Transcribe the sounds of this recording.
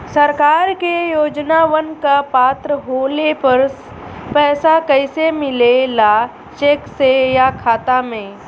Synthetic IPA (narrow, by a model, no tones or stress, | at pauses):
səɾkaːɾkejoːd͡ʒnaʋənkapaːt̪ɾəɦoːlepɐɾs | pɛːsakəɪsemɪlela | ʃeːksejakʰaːt̪amẽː